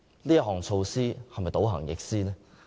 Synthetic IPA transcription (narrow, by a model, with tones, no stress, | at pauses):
liː˥jɐ˥ɦɔː˨˩ŋt͡sʰo˧wsiː˥hɐ˨mɐ˨jt̪o˨˥wɦɐ̰˨˩ŋjɪ̰˨k̚siː˥lɛː˥